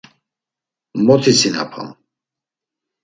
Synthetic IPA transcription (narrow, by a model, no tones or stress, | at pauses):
mɔt̪ʰisina̰pʰa̰m